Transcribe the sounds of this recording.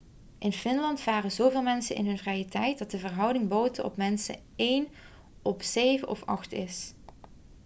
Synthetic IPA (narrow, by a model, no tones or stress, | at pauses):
ʔɪnfɪnlɑntfaːrəzowvɪːlˠmɛnsə̰nʔɪ̰nɦɵnvrɛjətɛjt̚dɑt̚dəvərɦʌwdɪŋbowtəʔɔ̰pmɛnsə̰ | ejn | ɔpsejvəʔɔfɑχtɪs